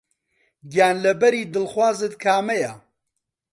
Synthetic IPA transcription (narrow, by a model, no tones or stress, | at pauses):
ɡjaːnlɐbɐɾiːd̪ɨlxwaːzɨt̪kʰaːmɛja